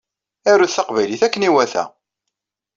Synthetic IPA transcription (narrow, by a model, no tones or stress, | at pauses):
æɾːuθθɑqvæjliθækːəniwæθæ̰